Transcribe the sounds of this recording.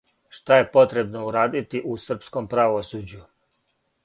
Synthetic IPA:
ʃt̪aje̞po̞t̪ɾe̞bnouɾaːd̪it̪iʔusr̩psko̞mpɾaʋosuːd͡ʑu

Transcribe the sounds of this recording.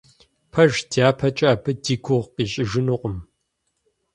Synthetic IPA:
pʰɐʒdʰjaːpʰɐt͡ʃʼɐaːbʰɨdiːkʷʰʊʁqiːɕʼɪʒɪnɨqʷʼʊm

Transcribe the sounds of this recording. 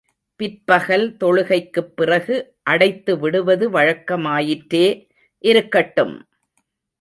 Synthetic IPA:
pɪɾpɐɣɐlt̪ɔɻɯɣɐɪkːɯpːɪrɐɣɯ | ʔɐɽɐɪt̪ːɯʋɪɽɯʋɐðɯʋɐɻɐkːɐmaːjɪʈɾeː | ʔɪɾɯkːɐʈːɯm

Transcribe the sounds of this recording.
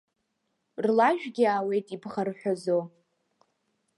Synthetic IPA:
rlaʒᶣɡʲiaːwe̞jtʼibχarħʷᶣazo

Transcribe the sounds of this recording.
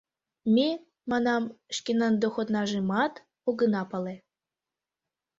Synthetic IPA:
mʲe | mɑnɑmʃkʲenənd̪oxot̪nɑʒemɑt̪ | oɣə̆nɑpɤle

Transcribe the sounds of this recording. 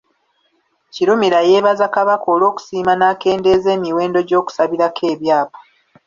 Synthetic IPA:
ciɾumiɾaje̞ːβazakaβako̞ːlo̞ːku̥siːmanaːke̞ːnde̞ːze̞ːmiwe̞ːndo̞ɟo̞ːku̥saβiɾakʰe̞ːβjaːpḁ

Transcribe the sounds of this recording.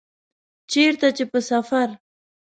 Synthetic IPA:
t͡ʃeɾt̪at͡ʃepəsafaɾ

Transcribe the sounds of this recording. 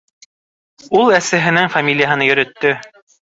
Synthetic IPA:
ulˠæsæ̆ɦɘ̆nɘŋfamʲilʲɪjaɦɤ̆nɤjɵ̆ɾɵ̆t̪ːɵ

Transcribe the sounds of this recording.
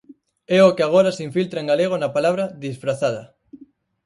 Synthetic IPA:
ɛokeaɣ̞oɾasiɱfilt̪ɾaeŋɡaleɣ̞onapalaβ̞ɾaðisfɾaθað̞a̰

